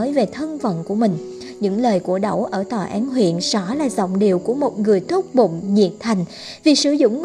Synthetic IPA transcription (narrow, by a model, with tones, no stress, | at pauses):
əː˨˦jve˨˩t̪ʰə˧nvə̰˧˨nku˧˩əmï˨˩ŋ̟ | ɲɨ̰˧˥ŋləː˨˩jku˧˩əɗə˧˩wʔəː˧˩t̪ɔ˨˩ʔaː˨˦nɦwḭ˧˨ənsɔ˧˩laː˨˩zə̰˧˨wŋ͡mɗi˨˩əwku˧˩əmo˨˩t̚ŋɨ˨˩əjt̪ʰu˦˥k͡p̚ɓʊ̰˧˨ŋ͡mɲḭ˧˨ət̚t̪ʰa˨˩jŋ̟ | vi˨˩sɨ˧˩˦zʊ̰˧˨ŋ͡m